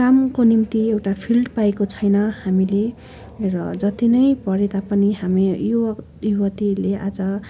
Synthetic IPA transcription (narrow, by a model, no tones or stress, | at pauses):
kamkonimt̪iewʈapʰilɖpaekot͡sʰʌjnʌhamile | rʌ̰d͡zʌt̪inʌjpʌɾet̪apʌniɦamiju | juwʌt̪ileʔad͡zʌ